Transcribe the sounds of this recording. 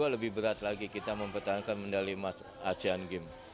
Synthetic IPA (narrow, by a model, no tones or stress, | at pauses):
aləbɪhbəɾat̪̚laɡikit̪aməmpərt̪aɦankanməndalimat̪ | at͡ʃianɡɪm